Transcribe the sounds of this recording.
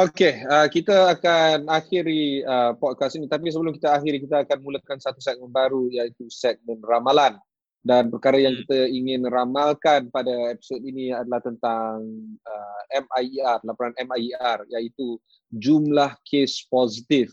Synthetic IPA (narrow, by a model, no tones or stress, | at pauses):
okeəkit̪aːkanaxɪɾiəpɔd̚kasinit̪ap̬is̬əbəlʊmkit̪əaɦiɾkit̪aːkanmuləkansat̪usɛk̚mənbaɾujait̪usɛk̚mɛ̃nramalan | danpərkaɾajaŋkit̪aiŋɪnramalkanpadaepi̥sot̪iniadalaht̪ənt̪aŋəɛmajarlapuɾanɛmaarjait̪u | d͡ʒumlahkʰesposit̪if